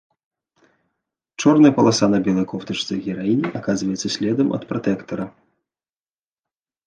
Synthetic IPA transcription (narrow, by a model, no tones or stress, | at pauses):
t͡ʂɔrnɐjɐpɐlˠasanɐbʲɛlˠɐjkɔwt̪ɐt͡ʂt̪sɐɣʲɛɾainʲiʔakazvɐjɛt̪sːɐsʲlʲɛd̪ɐmʔɐ̰t̪pɾat̪ɛkt̪ɐɾɐ